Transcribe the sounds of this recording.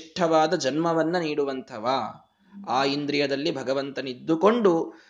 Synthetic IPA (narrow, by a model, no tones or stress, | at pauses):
ʈʰːɐʋaːd̪ɐd͡ʒɐnmɐʋɐnːɐniːɽuʋɐnt̪ʰɐʋaː | aːind̪ɾijɐd̪ɐlːibʱɐɡɐʋɐnt̪ɐnid̪ːuko̞ɳɖu